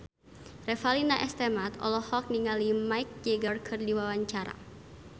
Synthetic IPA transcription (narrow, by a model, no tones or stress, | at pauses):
rɛfalinaʔɛst̪ɛmat̪ɔ̰lɔhɔk̚niŋalimaik̚d͡ʒeɡɔrkʰɨrdiwawaɲt͡ʃaɾa̰